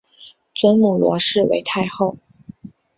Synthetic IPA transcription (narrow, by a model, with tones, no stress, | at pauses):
t͡swə˥nmu˨˩lwɔ̰˧˥ʂɻ̩˥˩wḛ˧˥ɪt̪ʰa˥˧ɪxo˥˩ʊ